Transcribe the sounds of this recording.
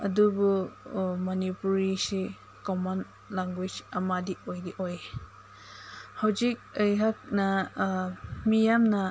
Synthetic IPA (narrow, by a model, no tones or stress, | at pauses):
ɐ̰dubu | mɔnipuɾisi | kɔman | laŋɡwid͡ʒɐmadiɔjdiʔɔj | hawzik̚ɯjɦak̚na | mijamna